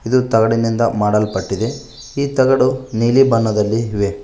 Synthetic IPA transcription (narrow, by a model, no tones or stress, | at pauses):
id̪ut̪ɐɡɐɽinind̪ɐmaːɽɐlpɐʈːid̪e̞ | iːt̪ɐɡɐɽuniːlibɐnːɐd̪ɐlːiɦʋe